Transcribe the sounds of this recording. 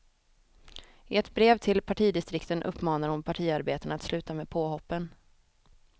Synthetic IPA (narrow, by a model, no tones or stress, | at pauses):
ɪɛt̪bɾeːvt̪ʰɪlpʰaʈʰiːd̪ɪst̪ɾɪkt̪ənʔɵ̰pːmɑːnaɾhʊnpʰaʈʰiːaɾbeːt̪ənat̪slʉ̟ːt̪ameːpʰoːɦɔpːən